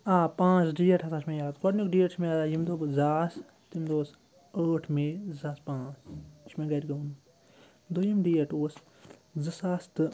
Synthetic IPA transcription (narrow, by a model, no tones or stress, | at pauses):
aːpãːt͡ʃɖiːeʈʰɐsʰat͡ʃʰmẽːjaːt̪kɔɖnikɖiːeʈt͡ʃʰmẽaːajimd̪oːbzaːs | t̪imd̪oːs | əːʈʰmẽzaːspãːt͡st͡ʃʰmẽːɡɐɾʲɡɐwn | d̪ojɐmɖiːeʈoːs | zɨsaːst̪ɨ